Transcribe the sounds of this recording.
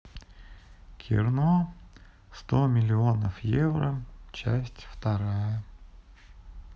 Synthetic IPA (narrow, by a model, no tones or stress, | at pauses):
kʲʰɪ̰rno | st̪omʲɪlʲɪo̞nəfjevrət͡ɕæ̰sʲtʲft̪ɐɾajə